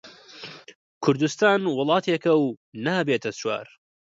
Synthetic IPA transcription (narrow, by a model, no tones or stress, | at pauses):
kʰʊɾd̪ust̪aːnwʊlˠɑːt̪ʰekɐwnaːbeːt̪ʰɐswa̰ːɾ